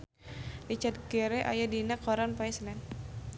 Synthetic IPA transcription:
lit͡ʃat̪ɡɛɾɛʔa̰jadinakːɔɾanpaisnɛn

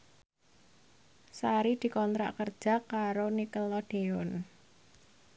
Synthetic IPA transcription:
saɾid̪̥i̤kɔnt̪ɾa̰ʔkərd̥ʒ̥ä̤kːaɾonikəlɔɖ̪̥eʊn

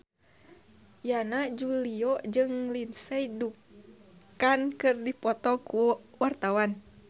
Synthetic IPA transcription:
janad͡ʒuliɔd͡ʒɨŋlinsɛidukkankɨrdipɔt̪ɔkuwart̪awan

